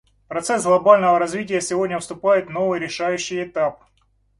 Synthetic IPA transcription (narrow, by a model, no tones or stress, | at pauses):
pɾɐt̪sɛsɡlˠɐbalʲnəvəɾɐzvʲit̬ʲɪjəsʲɪvo̞dʲnʲəfst̪ʊpajɪt̪no̞vɨjɾʲɪʂajʉɕːɪjɪt̪ap̚